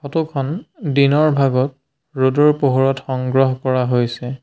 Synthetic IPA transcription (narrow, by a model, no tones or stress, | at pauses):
xɔtukʰɔndinɔɹbʱaɡɔt̚ | ɹodɔɹpoɦoɹɔtxɔŋɡɹɔɦɔkɔɹaɦojsɛ